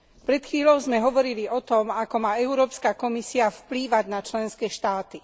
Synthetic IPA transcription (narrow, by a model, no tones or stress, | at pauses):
pɾɛt̪xʋiːlɔʊzmɛɦɔʋɔɾiliʔɔt̪ɔmakɔmaːɛʊɾɔːpskakɔmisiafpliːʋaɟnat͡ʃlɛnskɛːʃt̪aːt̪i